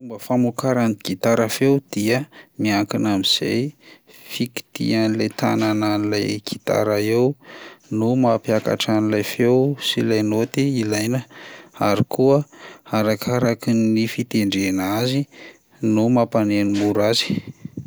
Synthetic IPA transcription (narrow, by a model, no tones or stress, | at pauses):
umbəfamukaɾanɡ̥it̪aɾafewd̪̥iəmiaŋkinamiz̥ḛj | fiki̥t̪ḭanilajt̪a̰nananilajɡ̥i̥t̪a̰ɾaewnumapiaka̰ʈ͡ʂanilajfewsilajnot̪iilajnəaɾikuəaɾakʰaɾakinifit̪eɳɖ͡ʐenazi | numapanenimuɾazi̥